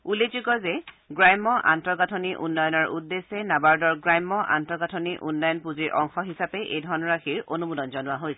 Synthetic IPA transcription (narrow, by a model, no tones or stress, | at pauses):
ulezukɔzɛ | ɡɹajmːɔʔa̰ntɹɔɡatʰoniʔṵnːɔjɔnɔɹʔudːesːɛnabaɹdɔɹɡɹajmːɔʔa̰ntɹɔɡatʰoniʔunːɔjɔnpuziɹʔɔŋxɔɦisapɛʔejdʱɔɹnɔɹaxʰiɹonumudɔnzɔnʊwaɦojsɛ